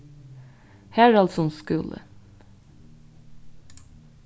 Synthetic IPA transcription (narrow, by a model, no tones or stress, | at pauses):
hæːɾɑlsɔnskʉlʔə̰